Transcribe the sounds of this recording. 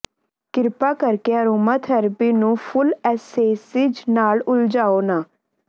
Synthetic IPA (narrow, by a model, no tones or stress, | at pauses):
kɪɾpaːkəɾkeəɾoːməːt̪ʰəɾbiːnũːpʰʊlɛːseːsɪd͡ʒnaːlʊld͡ʒaːoːnaː